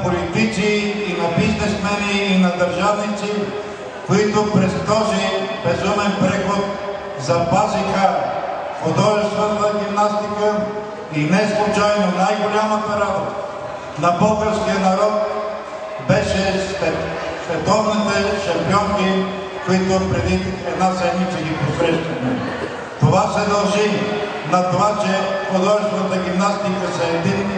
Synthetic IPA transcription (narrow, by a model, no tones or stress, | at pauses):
polit̪it̪siːnɐbiznɛsmɛniːnɐd̪əɾʒavnit̪si | koit̪ʊpɾɛst̪ɔzibɛzumɛnpɾɛxot̪ | zɐpazixə | xod̪ɔʒɛst̪vənnɐɡimnast̪ikə | inɛslˠʊt͡ʃajnonajɡolʲamət̪ɐɾad̪ə | nɐbɤlˠɡəɾskijənɐɾɔt̪̚ | bɛʃɛsvɛ | svɛt̪ɔvnit̪ɛʃɐmpiɔŋki | koit̪opɾɛd̪it̪ɛd̪nazɛmnit͡ʃɛɡʲiposɾɛʃt̪ɐmɛ | t̪ovasɛd̪ɐlˠʒi | nɐt̪ovat͡ʃɛxod̪ɔʒɛst̪vɐt̪əɡʲimnast̪ikəsɐɛd̪in